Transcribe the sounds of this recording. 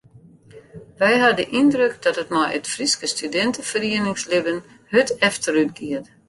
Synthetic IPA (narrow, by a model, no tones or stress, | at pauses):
ʋɛjɦadəʔindrøk̚dɔtətmɔjə̰tfriskəstydɛntəfəriənɪŋslɪbən | høtɛftʰəɾytɡiət